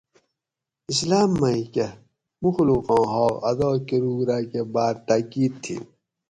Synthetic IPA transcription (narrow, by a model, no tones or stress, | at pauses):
islaːmːɐike | muxluqɑ̃ːɦɑːɐ̰d̪ɑːkeɾuːɡɾakebaːɾt̪akiːd̪̚t̪ʰːḭ